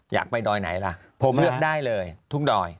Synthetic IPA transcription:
ja̰ː˨˩k̚pa˧jdɔː˧jna̰˩˦jla˧˥ | pʰo˨˦lɯ˥˩ək̚daː˥˩jlɤː˧jt̪ʰu˥˩ŋ͡mdɔː˧j

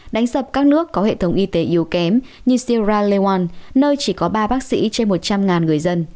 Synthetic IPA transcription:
ɗa˨˦jŋ̟sə˨˩p̚kaː˦˥k̚nɨ˦˥əkːɔ˨˦hḛ˧˨t̪ʰə˨˦wŋ͡mʔi˧t̪e˨˦ʔi˨˦əwkɛ˨˦mɲɨ˧si˧zaː˧le˧waː˧nnəː˧jt͡ɕi˧˩kɔ˨˦ɓaː˧ɓaː˦˥k̚sḭ˧˥t͡ɕe˧nmo˨˩t̚t͡ɕa˧mŋaː˨˩nŋɨ˨˩əjzə˧n

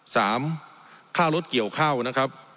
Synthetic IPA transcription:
saː˩˦mkʰaː˥˩wɾo˦˥t̪̚ki˨˩əwkʰaː˥˩wna˦˥kʰɾa˦˥p̚

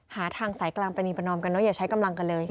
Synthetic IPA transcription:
haː˨˩˦t̪ʰaː˧ŋsaː˩˦jklaː˧ŋpɾa˧ni˧˩pa˧nɔː˧mka˧nːɔ˦˥jaː˨˩t͡ɕʰa˦˥jka˧mla˧ŋka˧nlɤː˧j

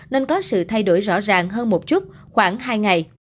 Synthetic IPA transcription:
neː˧nkɔ˨˦sɨ̰˧˨t̪ʰa˧jɗo˧˩jzɔ̰˧˥zaː˨˩ŋɦəː˧nmo˨˩t̚t͡ɕu˦˥t̚xwaː˧˩ŋɦaː˧jŋa˨˩j

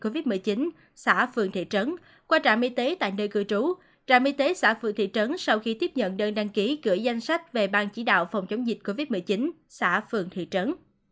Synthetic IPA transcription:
ko˧vi˦˥t̚mɨ˨˩əjt͡ɕi˨˦n | sa̰ː˧˩fɨ̰˧˨əŋt̪ʰḭ˧˨t͡ɕə˨˦n | kwaː˧t͡ɕa̰ː˧˩mʔi˧t̪e˨˦t̪a̰ː˧˨jnəː˧jkɨ̰˧˩ət͡ɕu˨˦ | t͡ɕaː˧˩mʔi˧t̪e˨˦sa̰ː˧˥fɨ̰˧˨ŋt̪ʰḭ˧˨t͡ɕə˨˦nsa˧wxi˧t̪i˦˥əp̚ɲə̰˧˨nɗəː˧nɗa˧ŋki˨˦kɨ̰˧˩əza˧jŋ̟sa˦˥jk̚ve˨˩ɓaː˧nt͡ɕi˧˩ɗa̰ː˧˨wfa˨˩wŋ͡mt͡ɕə˨˦wŋ͡mzï˨˩t̟̚ko˧vi˦˥t̚mɨ˨˩ət͡ɕi˨˦n | sa̰ː˧˥fɨ̰˧˨əŋt̪ʰḭ˧˨t͡ɕə˨˦n

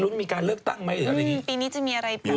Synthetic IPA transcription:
nu˦˥nmiː˧kaː˧nlɯ˥˩ək̚t̪a̰˥˩ŋma˦˥jlɯː˩˦a˧ɾa˧ji˦˥piː˧niː˦˥t͡ɕa˨˩ŋmiː˧ʔa˧ɾa˧jpʰuː˦˥˩

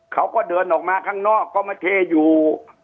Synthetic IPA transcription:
kʰa˦˥wkɔː˥˩dɤː˧nʔɔː˨˩k̚maː˧kʰaː˥˩ŋnɔː˥˩kːɔː˥˩maː˧˩t̪ʰeː˧juː˨˩

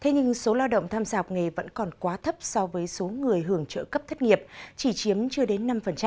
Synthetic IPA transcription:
t̪ʰe˨˦ɲɨ˧ŋso˨˦laː˧wɗə̰˧˨wŋ͡mt̪ʰaː˧mzaː˧˨˩k͡p̚ŋe˨˩və̰˧˥nkɔ˨˩nkwaː˨˦t̪ʰə˦˥p̚sɔ˧vəː˨˦jso˨˦ŋɨ˨˩əjɦɨ˧˩əŋt͡ɕə̰ː˧˨kə˦˥p̚t̪ʰt̚ŋi˨˩əp̚t͡ɕi˧˩t͡ɕi˨˦əmt͡ɕɨ˧əɗe˨˦nːa˧mfə˨˩nt͡ɕa˦˧

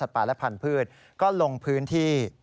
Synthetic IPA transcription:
a˨˩t̪̚paː˨˩lɛ˦˥pʰa˧˩npʰɯː˥˩t̪̚ | kɔː˥˩lo˧ŋpʰɯː˦˥nt̪ʰiː˥˩

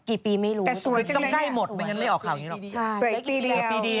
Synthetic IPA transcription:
kiː˨˩piː˧ma˥˩jɾuː˦˧ɛː˨˩su˨˩˦a˧kːkla˥˩jmo˨˩t̪̚me˧nŋə˧nma˥˩jɔː˨˩kʰaː˨˩wni˦˥lɔ˨˩˧u˨˩˦t̪iː˧di˧˨˦iː˧di˧

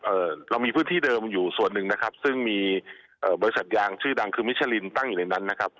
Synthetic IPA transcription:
ʔɤː˨˩ɾa˧wmiː˧pʰɯː˦˥nt̪ʰiː˥˩dɤː˧mjuː˨˩su˨˩ənːɯ˨˩ŋna˦˥kʰa˦˥p̚sɯ˥˩ŋmiː˧ | ʔɤː˨˩bɔː˧ɾi˧˥sa˨˩t̪̚jaː˧ŋt͡ɕʰɯː˥˩da˧ŋkʰɯː˧mi˦˥t̪̚t͡ɕʰa˧li˧nt̪a˥˩ŋjuː˨˩na˧na˦˥nːa˦˥kʰa˦˥p̚

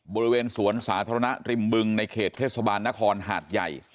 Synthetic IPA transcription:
bɔː˧ɾi˦weː˧nsu˨˩˦ənsaː˩˦t̪ʰa˧ɾa˧na˦˥ɾi˧mbɯ˧ŋna˧jkʰeː˨˩t̪ʰːeː˥˩t̪̚sa˧baː˧nːa˦˥kʰɔː˧nɦa̰ː˨˩t̪̚ja˨˩j

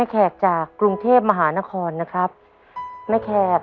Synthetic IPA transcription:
a˥˩jkʰɛː˨˩k̚t͡ɕaː˨˩kːɾu˧ŋt̪ʰeː˥˩p̚ma˧ɦaː˩˦na˦˥kʰɔː˧nːa˦˥kʰɾa˦˥p̚ | ma˥˩jkʰɛː˧˩k̚

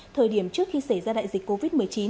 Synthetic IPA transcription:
t̪ʰəː˨˩jɗi˧˩əmt͡ɕɨ˦˥ək̚xi˧se˧˩jzaː˧ɗa̰ː˧˨jzi˨˩k̟kːo˧vi˦˥t̚mɨ˨˩əjt͡ɕi˨˦n

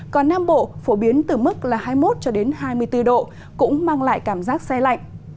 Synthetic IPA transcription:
kɔ˨˩nːaː˧mɓo̰˧˨fo˧˩ɓi˨˦ənt̪ɨ˨˩mɨ˦˥k̚laː˨˩haː˧jmo˦˥t̚t͡ɕɔ˧ɗe˨˦nɦaː˧jmɨ˧əjt̪ɨ˧ɗo̰˧˨ | kʊ̰˧˥ŋ͡mmaː˧ŋla̰ː˧˨jkaː˧˩mzaː˦˥k̚sɛ˧la̰˧˨jŋ̟

